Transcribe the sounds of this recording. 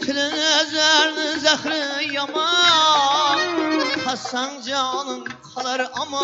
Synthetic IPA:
t̪ʰɪlɪnɪzæɾnɪzæχɾɪjɑmɑ | hæsːæŋd͡ʒɑnɨŋqʰɑlˠɑɾʔɑmɑ

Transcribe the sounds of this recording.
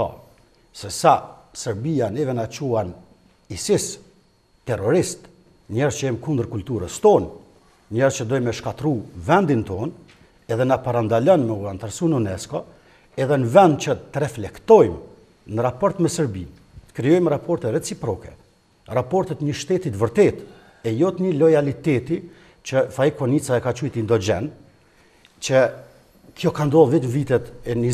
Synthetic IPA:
ɔ̰ | sɛsasəɾbianɛvɛnat͡ʃuan | isis | t̪ɛrɔɾist̪ | ɲɛɾzt͡ʃəjɛmkund̪əɾkult̪uɾəst̪ɔn | ɲɛɾzt͡ʃəd̪ɔjmɛʃkat̪ɾuvɛnd̪int̪ɔn | ɛðɛnapaɾand̪alɔnmɛuant̪aɾsununɛskɔ | ɛðɛnəvɛnd̪̚t͡ʃət̪əɾɛflɛkt̪ɔjm | nəɾapɔɾt̪mɛsəɾbin | t̪ə̥kɾijɔjmɾapɔɾt̪ɛɾɛt͡sipɾɔkɛ | rapɔɾt̪ɛt̪ɲəʃt̪ɛt̪it̪vəɾt̪ɛt̪ | ɛjɔt̪ɲəlɔjalit̪ɛt̪i | t͡ʃəfaikɔnit͡saɛkat͡ʃujt̪ind̪ɔd͡ʒɛn | t͡ʃə | kʰjɔkand̪ɔlˠvɛt̪məvit̪ɛt̪ɛni

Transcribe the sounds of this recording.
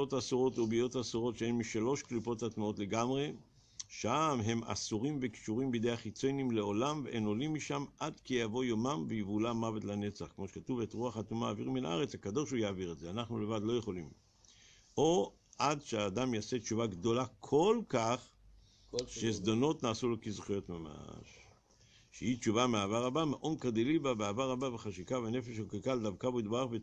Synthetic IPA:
otasuʁo̞tobijo̞tasuʁo̞tʃeenmiʃalo̞ʃklipo̞tatmuo̞tle̞ɡamʁe̞ | ʃamɦe̞ma̰suʁimveki̥ʃuʁimbid̪ejaχit͡sojnimleolamveʔeno̞limːiʃamʔadkijavo̞jomamvejivulamavetlane̞t͡saχkmo̞ʃe̥katuve̞tʁuaχat̪umaːviʁmina̰a̰ʁet͡shakad̪o̞ʃhujaːviʁetzeanaχnule̞vad̪lo̞je̞χo̞lim | o̞ | ʔadʃeaːd̪amjase̞t͡ʃuvaɡd̪o̞lakʰo̞lkaχ | ʃezd̪ono̞tnaːsulokizχijo̞t̪mama̰ʃ | ʃehit͡ʃuvameaːvaʁabameʔonkad̪ilibabeavaʁabaveχaʃikavene̞feʃhukikald̪avkaboid̪baʁaχve

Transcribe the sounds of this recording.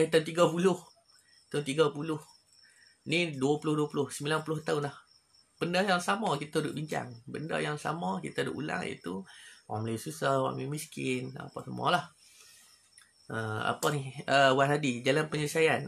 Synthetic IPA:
it̪aunt̪iɡapulʊh | t̪aunt̪iɡapulʊh | niduapulʊhduapulʊhsəmilanpulʊht̪aʊnlah | b̥əndajaŋsamɔkit̪adʊʔ̚biɲt͡ʃa̰ŋbənda̰jaŋsa̰mɔkit̪adṵʔṵla̰ŋḭt̪uwa̰mlajsusahwa̰ʔmimiskɪna̰pasəm̰ɔ̰lah | əa̰paniəwaadid͡ʒalanpəɲəsajan

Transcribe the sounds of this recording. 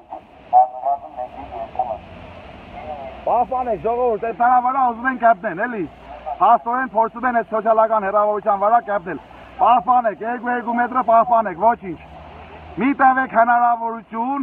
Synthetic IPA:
pɑhpɑnɛkʒɔʁɔvuɾt̪ɛnəɾɑvəɾɑuzumɛŋkɛp̚nɛnɛli | pɑst̪ɔɾɛnpʰɔɾt͡sʰumɛnɛt̪sɔt͡sʰjɑlɑkɑnhɛrɑvɔɾut͡ʃʰjɑnvəɾɑkɛp̚nɛl | pɑhpɑnɛkʰjɛɾk̬ujɛɾk̬umɛt̪ɾəpɑhpɑnɛkʰvɔt͡ʃʰint͡ʃʰ | mit̪ɛvɛkʰɦɛnɑɾɑvɔɾut͡ʃʰjun

